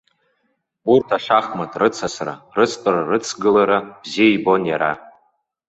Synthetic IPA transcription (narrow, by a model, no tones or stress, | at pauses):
urtʰaʂaχmatʼrɨt͡sʰasra̰rɨt͡sʰtʼɨrarɨt͡sʰɡɨlaɾab̥ziaibo̞njaɾa